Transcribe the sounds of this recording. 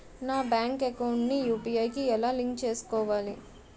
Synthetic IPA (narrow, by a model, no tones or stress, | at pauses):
naːbjaːŋkɛkɐwuɳʈnijuːpiɐjkiɛlaːliŋk̚t͡ʃe̞ːsu̥kɔːʋaːli